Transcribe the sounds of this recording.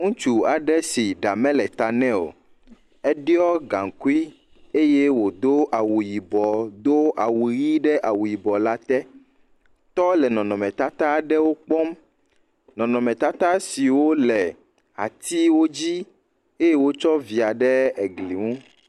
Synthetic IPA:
ŋũ˦t͡ʃu˨a˨ɖɛ˦si˨ɖa˨mɛ̃˦lɛ˨t̪a˨nɛ̃˦o̰˨ | ɛ˦ɖi˦ɔ˦ɡã˨ŋ˨ku˦i˦ | e˦je˦wo˨d̪o˦ʔa˨wu˨ji˨bɔ˨d̪o˦ʔa˨wu˨ji˦ɖɛ˦ʔa˨wu˨ji˨bɔ˨la˦t̪ɛ˦ | t̪ɔ˦lɛ˨nɔ̃˨nɔ̃˨mɛ̃˨t̪a˦t̪a˦˨ɖɛ˦wo˦k͡pɔ˦m | nɔ̃˨nɔ̃˨mɛ̃˨t̪a˦t̪a˦si˨wo˦lɛ˨ | a̰˨t̪i˦wo˦d͡ʑi˦ | e˦je˦wo˦t͡ʃɔ˦vi˨a˨ɖɛ˦ɛ˨ɡli˨ŋũ˦

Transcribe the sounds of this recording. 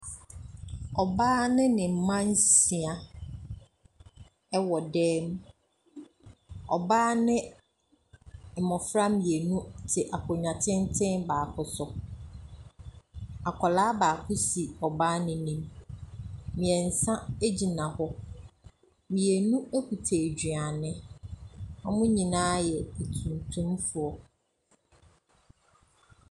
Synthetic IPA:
ɔ˨baː˦nɪ̃˦nɪ̃˨m̩˨˦mã˦n˦si˨a˨ | ɛ˦wɔ˨dɛː˦m˦ | ɔ˨baː˦nɪ̃˦˨ | mɔ̃˨fɾa˦mĩ˨e˨nũ˦tʰɪ˨ʔa˨kʰʊ˨ɲã˨tʰɪ̃˦n˦tʰɪ̃˦nbaː˨kʰʊ˦sʊ˨ | a˨kʷʰɔ˨laː˦baː˨kʰʊ˦si˨ɔ˨baː˦nɪ̃˨˦nĩ˦m | mĩ˨ɛ˨n̩˨sã˦e˦d͡ʑi˨nã˨hɔ˦ | mĩ˨e˨nũ˦e˦kʰu˨tʰe˨d͡ʑᶣɥa˨nɪ̃˦ | ɔ̃˦mʊ̃˦ɲĩ˨nãː˦jɛ˨e˨tʰũ˨ntʰũ˦mfʊ˨ɔ˨

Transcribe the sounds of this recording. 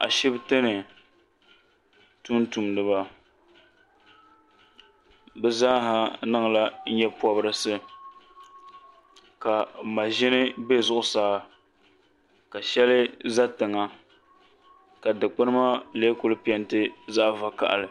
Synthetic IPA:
a̰˨ʃɪ˦btɨ˦nɨ˨ | tu˦n˦tu˨mdɨ˨ba˨ | bɛ˦zaː˦ɦa˨nɨ˦ŋ˨la˦ɲɛ˦pɔ˦bɨ˦ɾɨ˨sɨ˦ | ka˨ma˨ʒɪ˦nɨ˦bɛ˦zʊ˦ʔʊ˦saː˦ | ka˨ʃɛ˦lɨ˦za˦tɨ˨ŋa˨ | ka˨dɨ˨k͡pɨ˦nɨ˦ma˦leː˦kʊ˦lɨ˦pi˦ɛ˦ntɨ˦za˦ʔva˨ka̰˨ʔa̰˨lɨ˨

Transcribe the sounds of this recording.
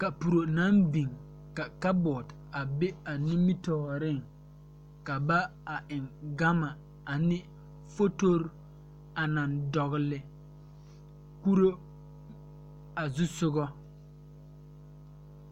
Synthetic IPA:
ka˨pu˨ɾo˨na˦mbi˨ŋ | ka˨ka˦bɔː˨d | a˨be˦a˨ni˦mi˦tɔː˨ɾɪ˦˨ŋ | ka˨ba˦a˨ʔɪ˨ŋɡa˦ma˨ | a˨nɪ˦ | fo˦to˦ɾ | a˨na˨ndɔ˨ɣɪ˨lɪ˨ | ku˦ɾo˦ | a˨zʊ˦sʊ˦ɡɔ˦

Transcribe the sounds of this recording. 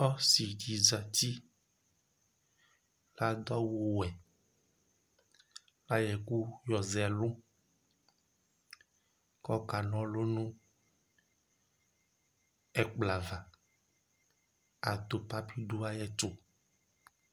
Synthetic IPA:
ɔ˦si˨d͡ʒi˨za˨t̪i˦ | la˦d̪ɔ˦wo˨wɛ˨ | la˦jɛ˨ku˦jɔ˨zɛ˨lõ˦ | kɔ˦ka˨nɔ̃˨lo˦nũ˦ | ɛ˨k͡pla˨va˨ | a˨t̪o˨pa˦pi˦ɖu˦a˦jɛ˦to˨

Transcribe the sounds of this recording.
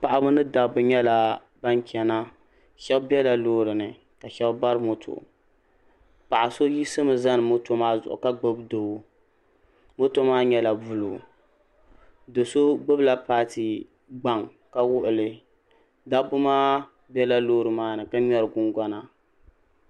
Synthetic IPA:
pa˨ʔa˦bʊ˦nɨ˦da˨bʊ˨ɲɛ˦la˨ | ba˦ŋkʲɛ˨na˦ | ʃɛ˦bbɛ˦la˨loː˦ɾɨ˨nɨ˨ | ka˨ʃɛ˦bba˦ɾɨ˦mo˨tʰo̰˨ | pa˨ʔa˨so˦ji˦sɨ˦mɨ˨za˦nɨ˨mo˦to˦maː˦zʊ˨ʔʊ̰˨ka˦ɡ͡bɨ˦bdo˨bʊ˦ | mo˦to˦maː˦ɲɛ˦la˨bu˨lṵ˨ | dɨ˨so˦ɡ͡bɨ˦bla˦paː˦tɨ˨ | ɡ͡ba˨ŋ | ka˦wʊ˦ʔʊ˨lɨ˨ | da˦bʊ˦maː˦ | bɛ˦la˦loː˦ɾɨ˨maː˦nɨ˨ka˦ɲɛ˦ɾɨ˨ɡʊ˦ŋɡʷa˦na˨

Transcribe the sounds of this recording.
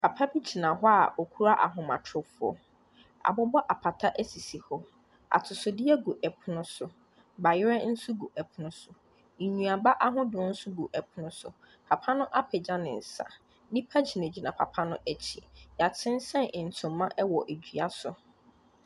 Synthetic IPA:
pʰa˨pʰa˦bi˦d͡ʑi˨nã˨ɦɔ˦a˨ɔ˨kʰu˦ɾa˦ʔa̰˨ɦʊ̃˨mã̰˨tʰʊ˨fʊ˦ɔ̰˨ | a̰˨bʊ˦bɔ˦ʔa˨pʰa˨tʰa˦ʔæ˦si˨si˨hɔ˦ | a̰˨tʰʊ˨sʊ˨dɪ˦ɛ˦ɡu˨ʔɛ˨pʰʊ˨˦nʊ̃˦sʊ˨ | ba˨jɪ˦ɾɛ˦n̩˦sʊ˦ɡu˨ʔɛ˨pʰʊ˨nʊ̃˦sʊ˨ | ɲũ˨a˨ba˦ʔa˦ɦʊ̃˦dʊ̃˨˦n̩˦sʊ˦ɡu˨ʔɛ˨pʰʊ˦nʊ̃˦sʊ̰˨ | pʰa˨pʰa˦nʊ̃˦ʔa˦pʰɛ˨d͡ʑã˦nɪ̃˨n̩˨sa̰˨ | nɪ̃˦pʰa˦d͡ʑi˨nẽ˨d͡ʑi˨nã˨pʰa̰˨pʰa˦nʊ̃˦ʔɛ˨t͡ɕʰi˨ja˨tʰɪ̃˦n̩˦sɛ̃˦nɪ˨n̩˨tʰʊ̃˨mː˦ã˦ʔɛ˦wɔ˨ʔe˨d͡ʑᶣɥa˦sʊ˨

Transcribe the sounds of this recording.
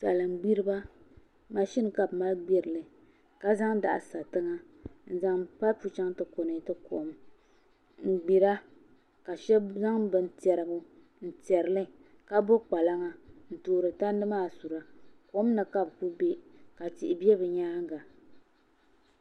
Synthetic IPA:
sa̰˨lɨ˨ŋ͡mɡ͡bi˦ɾɨ˦ba˦ | ma˨ʃi˦n˨ka˦bma˦lɡ͡bi˦ɾɨ˨lɨ˨ | ka˦za˦ŋda̰˨ʔa̰˨sa˨tɨ˦ŋa˦ | n̩˦za˦ŋpa˦lpu˨t͡ʃa˦ŋtɨ˨ko˨nɨ˨˦tɨ˦ko̰˨˦m | ŋ̩˨ɡ͡bi˨ɾa˦ | ka˨ʃɛ˦za˦ŋbɨ˨n˦tɛ˨ɾɨ˨ɡʊ˦ | n̩˨tɛ˨ɾɨ˨lɨ˦ | ka˦bo˦k͡pa˨la˦ŋa˨n̩˨toː˨ɾɨ˨ta˦n˦dɨ˦maː˦˨su˨ɾa˨ko˦m˦nɨ˨ka˦bku˦be˦ka˨ti˨ʔɪ˨bi˦ɛ˦bɨ˨ɲaː˦ŋ˦ɡa˨

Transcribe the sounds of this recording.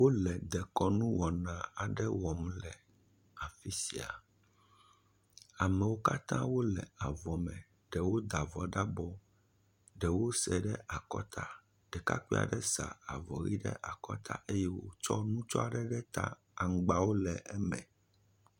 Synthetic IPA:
wo˦lɛ˨d̪ɛ˨kɔ˦nũ˦wɔ˨nã˨a˨ɖɛ˦wɔ˨mlɛ˨ | a˨fi˦si˨a̰˨ | a˨mɛ˨wo˦ka˦t̪ã˦wo˦lɛ˨a˨vɔ˨mɛ̃˨ | ɖɛ˨wo˦d̪a˨vɔ˨ɖa˦bɔ˦ | ɖɛ˨wo˦sɛ˨ɖɛ˦ʔa˨kɔ̰˦t̪ʰa˨ | ɖ̥ɛ˨ka̰˦kʷi˦a̰˨ɖɛ˦sa̰˨a˨vɔ˨ɣḭ˦ɖɛ̰˦ʔa˨kɔ˦t̪ʰa̰˦ʔe˦jɛ˦wo̰˦t͡ʃɔ˦nũ˦t͡ʃɔ˦a˨ɖɛ˦ɖɛ˦t̪a̰˦ | a˨ŋ̩˨ɡ͡ba˨wo˦lɛ˨ʔɛ˦mɛ̰̃˨

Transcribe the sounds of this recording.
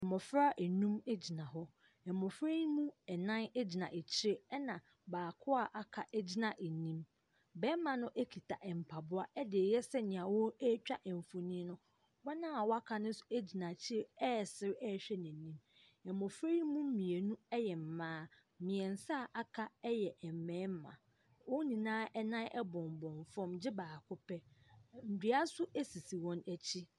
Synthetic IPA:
ɛ˨mɔ˨fɾa˦ʔe˨nũ˦me˦d͡ʑi˨nã˨ɦɔ˦ | ɛ˨mɔ˨fɾe˦jmũ˦ɛ˨nã˦n˦d͡ʑi˨nã˨ʔe˨t͡ɕʰɪ˦ɾe˦ɛ˦nã˨ | baː˨kʰʊ˦a˦˨ʔa˨kʰa˨ʔɛ˦d͡ʑi˦nã˨ʔe˨nĩ˦m | bɛ˦mã˨nʊ̃˦ʔe˦kʰi˨tʰa˨ʔɛ˨m̩˨pʰa˨bʊ˦a˦ɛ˦dɪ˨e˨jɛ˦sɛ˦ɲɪ̃˨ã˨wɔ˦ɛ˦t͡ɕᶣa˦ʔɛ˨m˨fo˨nĩ˦nʊ̃˦ | wa˦nã˦a˨wɔ˦a˦kʰa˨nʊ̃˦n̩˦sʊ̥˨e˦d͡ʑi˨nã˨t͡ɕʰɪ˦ɾe˦ɛ˦˨sɪ˦ɾɛ˦˨ɕᶣɛ˦nɪ̃˨nːĩ˦m | ɛ˨mɔ̃˨fɾe˦i˦mũ˦m̩˦mĩ˨e˨nũ˦ɛ˦jɛ˨m̩˨mãː˦ | mɪ̃˨ɛ̃˨n̩˨sa˦˨ʔa˦kʰa˦ɛ˦jɛ˨ʔɛ˨m˨mɛ̃ː˨˦m˦mã̰˨ | wɔ˦nĩ˨nãː˦ʔɛ˦nã˦ʔɛ˦bɔ̃˨m˨bɔ̃˨ɱfɔ̃˦md͡ʑɪ˦baː˨kʰʊ˦pʰɛ˦n̩˨di˨˦a˦sʊ˦e˦si˨si˨wɔ̃˦næ˨t͡ɕʰi˦

